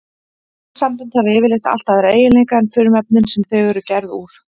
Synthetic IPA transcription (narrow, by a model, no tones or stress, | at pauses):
sampʏnt̪havɪːvɪlext̪a̰l̥t̪aðɛɾeːjɪleŋkaɛnfʏːɾʏmɛp̚nɪnsɛmθœɥɣœɾʏcɛɾðṵːɾ̥